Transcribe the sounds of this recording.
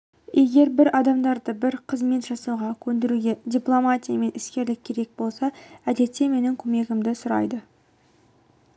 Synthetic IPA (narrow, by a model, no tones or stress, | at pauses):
e̞ɡʲe̞ɾbɪɾɑd̪ɑmd̪ɑɾd̪əbɪɾqʰəzme̞t̪ʒɑsuʁɑkʲʰɵnd̪ɪɾuɡʲe̞dʲiplˠo̞mat̪ʲijame̞nɪskʲe̞ɾlɪk̚ʲʰːe̞ɾe̞k̚bo̞lˠsɑæd̪e̞t̪ːe̞me̞nɪŋkʲʰɵme̞ɡʲɪmd̪ɪsʊɾɑ̰jd̪ə